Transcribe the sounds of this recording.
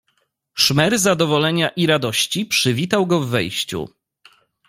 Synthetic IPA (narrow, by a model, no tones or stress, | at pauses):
ʂmɛɾzad̪ɔvɔlɛɲaʔiɾad̪ɔɕt͡ɕipʂɘvʲit̪awɡɔvːɛjɕt͡ɕṵ